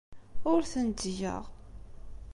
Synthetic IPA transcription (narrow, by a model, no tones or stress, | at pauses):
ʊɾθənd̪jə̰ʁ